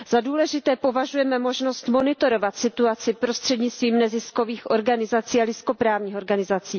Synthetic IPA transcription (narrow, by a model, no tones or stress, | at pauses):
z̥aduːlɛʒɪt̪ɛːpo̞vaʒujɛmɛmo̞ʒno̞st̪mo̞nɪt̪o̞ɾo̞vat̪sɪt̪uat͡sɪpɾo̞st̪r̝̥ɛdɲɪt͡st̪viːmnɛzɪsko̞viːxʔo̞ɾɡanɪzat͡siːalɪsko̞pɾaːvɲiːxoɾɡanɪzat͡siː